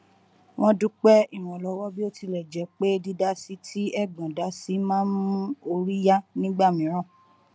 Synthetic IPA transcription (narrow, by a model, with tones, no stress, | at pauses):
w̃ɔ̃˧du˦k͡pɛ˦i˦˨w̃ɔ̃˨lɔ˨˦wɔ˦bi˦o˦ti˧lɛ˨d͡ʒɛ˨˦k͡pe˦di˧da˦si˦tʰi˦ɛ˦˨ɡ͡bã˨da˨˦si˦mãː˦m̃ũ˦o˧ɾi˦ja˦nĩ˦ɡ͡ba˦˨mĩ˨˦ɾ̃ã˦˨